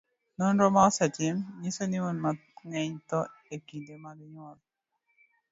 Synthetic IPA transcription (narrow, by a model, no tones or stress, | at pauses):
nɔnɾɔmasɛtɪmɲisoniunmaŋɛɲt̪ɔekindemadiɲwɔl